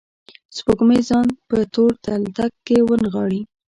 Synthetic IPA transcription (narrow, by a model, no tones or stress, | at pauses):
spoɡmezɑnpət̪oɾt̪alt̪akːewənɣɑɽi